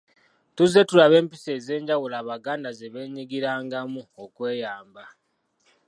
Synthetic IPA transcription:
tuze̞tulaβe̞ːmpise̞ːze̞ːɲɟawulaːβaɡaːndaze̞βe̞ːɲiɡiɾaːŋɡamuokwe̞ːjaːmba

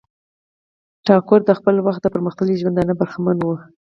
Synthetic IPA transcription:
ʈɑkʊɾd̪əxpəlwaxt̪̚d̪əpəɾməxt̪aliʒwand̪anəbaɾxamanwə

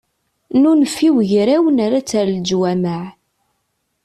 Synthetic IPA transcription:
nunfːiwʝɾæwənaɾat͡sːæɾld͡ʒwæməʕ

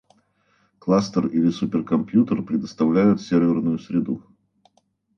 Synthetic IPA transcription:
klˠast̪ərilʲɪsupʲɪrkɐmpʲjut̪ərpɾʲɪd̪əst̪ɐvlʲæjʊt̪sʲervʲɪrnʊjʊsʲɾʲɪd̪u

